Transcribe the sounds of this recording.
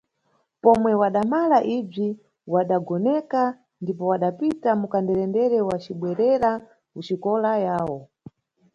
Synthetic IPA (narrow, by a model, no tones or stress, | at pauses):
pɔmwɛwaɗamalaʔib͡ʐi | waɗaɡɔnɛka | ndipɔwaɗapitamukandɛɾɛndɛɾɛwat͡ʃiɓwɛɾɛɾa | kut͡ʃikɔlajaːwɔ